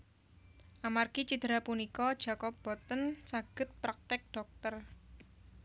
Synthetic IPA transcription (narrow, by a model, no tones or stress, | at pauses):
ʔamarɡ̥it͡ʃid̪̥əɾapunikɔd̥ʒ̥a̤kɔp̚b̥ɔt̪ənsaɡ̥ə̤t̪̚pɾak̚t̪ɪk̚ɖ̥ɔk̚t̪ər